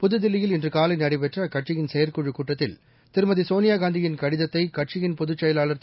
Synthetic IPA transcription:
pʊðɯd̪ɪlːɪjɪlɪndrɯkaːlɐɪnɐɽɪpɛʈrɐkɐʈt͡ʃɪjɪnsɛjɐɾkuɻɯkːuːʈːɐt̪ːɪl | t̪ɪɾɯmɐðisoːnɪjaːɡaːnd̪ɪjɪnkɐɽɪðɐt̪ːɐɪkɐʈ̚t͡ʃɪjɪnpʊðɯt͡ʃːɐjɐlaːlɐɾt̪

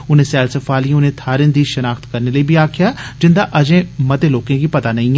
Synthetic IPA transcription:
ʊnẽːsɛːlsəfaːlĩʊnẽːt̪ʰaːɾɪ̃ːnd̪iːʃənaːkt̪kəɾneːləiːbʱiːaːkʰɪjaːd͡ʒɪnd̪aːʔəd͡ʒẽːmət̪eːloːkẽːkiːpət̪aːnəĩ

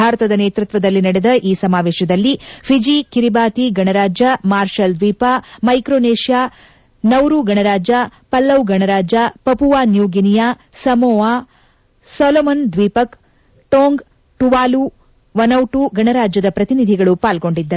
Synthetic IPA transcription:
aːɾɐt̪ɐd̪ɐneːt̪ɾut̪ʋɐd̪ɐlːinɐɽɛd̪ɐʔiːsɐmaːʋeːʃɐd̪ɐlːipʰid͡ʒikiɾibaːt̪iɡɐɳɐɾaːd͡ʒamaːɾʃɐld̪ʋiːpamɐjkɾoːneːʃjaː | nɐwɾuɡɐɳɐɾaːd͡ʒapɐlːɐwɡɐɳɐɾaːd͡ʒapɐpuʋaːnjuːɡinijaː | sɐmɔːʋaː | sɔːlomɐnd̪ʋiːpɐk | ʈoːŋɡ | ʈuʋaːlu | ʋɐnɐwʈuɡɐɳɐɾaːd͡ʒjɐd̪ɐpɾɐt̪inid̪ʱiɡɐɭupaːlɡo̞ɳɖid̪ːɐɾ

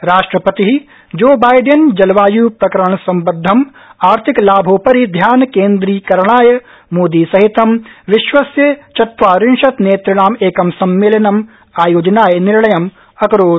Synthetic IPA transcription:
ɾaːʃʈɾɐpɐt̪iɦi | d͡ʒoːbaːjɖend͡ʒɐlʋaːjuːpɾɐkɐɾɐɳ̃sɐ̃mbɐd̪ʱːɐm | aːɾt̪ʰɪklaːbʱoːpɐɾɦid̪ʱjaːnkeːnd̪ɾiːkɐɾɽ̃aːj | moːd̪iːsɐɦɪt̪ɐmʋɪʃʋɐsjət͡ʃɐt̪ʋaːɾɪnʃɐt̪neːt̪ɾɪɽaːmeːkɐmsɐmːɪlɐnɐm | aːjoːd͡ʒnaːjnɪɾɭɐjɐm | ɐkɾoː

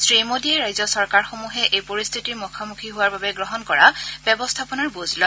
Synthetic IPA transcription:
sɹimodiɛɹajzɔsɔɹkaɹxomuɦɛʔejpoɹist̪ʰitiɹmukʰamukʰiɦʊwaɹbabɛɡɹɔɦɔnkɔɹabɛbɔstʰapɔnaɹbuzlɔ

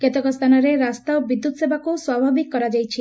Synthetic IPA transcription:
ket̪ɔkɔst̪ʰanɔɾeɾast̪abid̪ːut̪ɔsebakuswabʱabikːɔɾad͡ʒajt͡ʃʰi

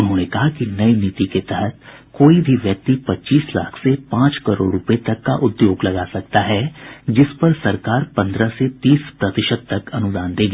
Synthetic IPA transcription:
ʊnɦõːnekɐɦakinɐinɪt̪iket̪ɛɦət̪koːibʱiʋjɐk̚t̪ipɐtːt͡ʃiːsla̰ːkʰsepãːt͡ʃkɐɾo̰ːɾɾʊpet̪ɐkːaʔʊd̪joːɡlɐɡaːsɐk̚t̪aɦɛd͡ʒɪspɐɾsɐɾkaːɾpɐ̃nd̪ɾəset̪iːspɾɐt̪ɪʃəd̪̚t̪ɐkɐnʊd̪aːnd̪eːɡaː

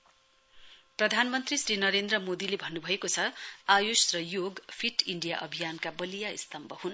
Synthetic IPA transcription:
prʌd̪ʱanmʌnt̪risrinʌɾend̪rʌmod̪ilebʱʌnːubʱʌekot͡sʰʌajosrʌjoɡpʰiʈiɳɖijaʔʌbʱijankabʌlijaḭst̪ʌmbʱʌhun

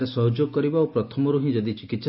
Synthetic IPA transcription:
ɾesɔɦɔd͡ʒoɡɔkɔɾibaopɾɔt̪ʰɔmɔɾuɦĩd͡ʒɔd̪it͡ʃikit̪s

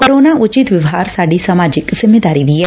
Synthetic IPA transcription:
koːɾoːnaːʔʊt͡ʃɪt̪ʋɪʋɦaːɾsaːɖisəmaːd͡ʒɪkzɪmːeːd̪aːɾiːʋiɛː

